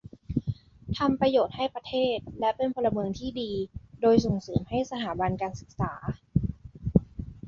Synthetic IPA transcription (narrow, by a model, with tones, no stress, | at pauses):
t̪ʰa˧mpɾa˧joː˨˩t̪̚ha˥˩jpɾa˧t̪ʰeː˥˩t̪̚lɛ˦˥pe˧npʰɔː˧la˧mɯ˧əŋt̪ʰiː˥˩diː˧doː˧jso˨˩ŋsɤː˩˦mha˥˩jsa˧t̪ʰaː˩˦ba˧nkaː˧nsɯ˨˩k̚saː˩˦